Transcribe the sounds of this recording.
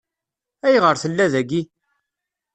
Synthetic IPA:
æjʁəɾθəlːæðæɡi

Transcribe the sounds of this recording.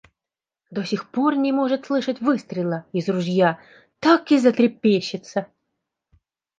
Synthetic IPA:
d̪osʲɪxpo̞rnʲɪmo̞ʐɨt̪slˠɨʂətʲvɨst̪ɾʲɪlˠəɪzrʊʐja | t̪akɪzət̪ɾʲɪpʲːeɕːɪt̪sə

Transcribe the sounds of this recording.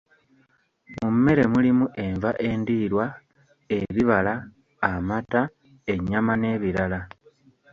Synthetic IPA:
mumːe̞ɾe̞mulimuʔe̞ɱvaʔe̞ndiːɾwa | e̞βiβalaː | mata | e̞ɲamane̞ːβiɾala

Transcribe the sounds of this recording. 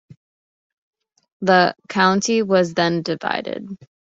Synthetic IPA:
ðəkʰãʊ̃ntʰiwʌzðɨ̃ndɨva̰ɪɾɪ̰d̥̚

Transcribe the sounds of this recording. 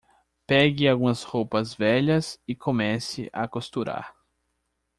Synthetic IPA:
pɛɡɪawɡũɐshowpɐzvɛʎɐsɪkʰomɛsɪ̰ʔa̰kost̪uɾa̰ɾ

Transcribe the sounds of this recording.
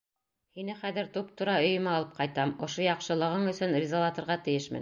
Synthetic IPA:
hinɘχæðɘɾt̪up̚t̪uɾɑɵ̆jɵ̆mɑlˠɤp̚qɑjt̪ɑmŏʃojɑqʃɤ̆lˠɤ̆ʁɤɴɵ̆sɵnrʲɪzolˠɑt̪ŏɾʁɑt̪ɘ̆jɘʃmɘ̰n

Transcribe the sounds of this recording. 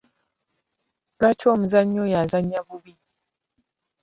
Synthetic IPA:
ɾat͡ʃom̩zaɲojazaɲabubi

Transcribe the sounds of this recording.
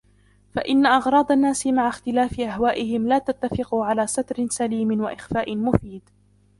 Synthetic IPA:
fa̰ʔɪnːaʔɑɣɾˤɑːd̪ˤanːaːsɪmaʕaxt̪ɪlaːfɪʔaɦwaːʔɪɦɪmlaːt̪at̪ːafɪquʕalaːsat̪ɾɪnsaliːmɪnwaʔɪxfaːʔɪnmʊfiːd̪

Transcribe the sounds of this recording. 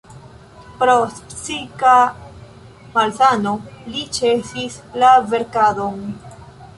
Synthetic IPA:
pɾospsika | malsanolit͡ʃesislave̞ɾkadon

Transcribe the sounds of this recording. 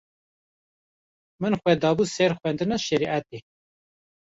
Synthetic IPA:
mɨnxʷɛd̪ɑːbusɛɾxʷɛnd̪ɨnɑʃɛɾiʔæt̪e

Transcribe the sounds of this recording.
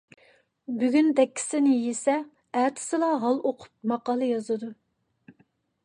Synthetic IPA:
byɡʲynd̪ɛkʲːi̥sɪnɪjesɛ | æt̪ʰɪ̥sɨlˠɑɦɑlˠoqʰʊ̥p̚mɑqɑːlˠɨjɑzɨd̪u

